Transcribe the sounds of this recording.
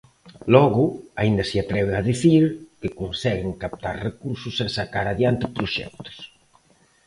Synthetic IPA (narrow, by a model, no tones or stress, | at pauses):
lɔɣʊaind̪asɪat̪ɾɛβ̞eaðiθiɾkɪkonsɛɣeŋkap̚t̪aɾrekuɾsʊsesakaɾaðjant̪ɪpɾoʃɛ̰k̚t̪o̥s